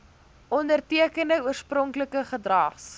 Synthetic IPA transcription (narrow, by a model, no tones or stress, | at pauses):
ʔɔndərtiəkəndəuərsprɔŋkləkəχədrɐχs